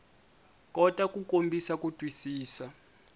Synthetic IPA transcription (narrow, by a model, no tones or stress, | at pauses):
kʼɔtʼakʼukʼombʱisakʼutʼwisiːsa